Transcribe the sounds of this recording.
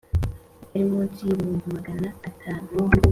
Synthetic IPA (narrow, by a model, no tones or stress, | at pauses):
emotiβuːnvimaɡanaːtʰaːnu